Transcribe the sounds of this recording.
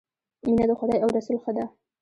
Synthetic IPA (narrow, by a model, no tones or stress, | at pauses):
inad̪əxʊd̪ɑjawɾasulxad̪ɑ